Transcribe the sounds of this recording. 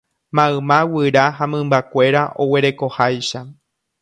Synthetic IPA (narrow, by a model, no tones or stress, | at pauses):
mãɨ̃mãwɨɾaɦamɨ̃mbakʷe̞ɾaʔo̞we̞ɾe̞ko̞hajʃa